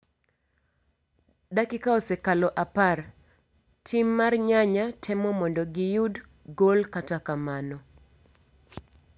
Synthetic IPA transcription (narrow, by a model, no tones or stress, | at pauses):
dakɪkaɔsɛkalɔʔapar | tʰimːarɲaɲatʰɛmɔmɔndɔɡɪjud | ɡolkatakamanɔ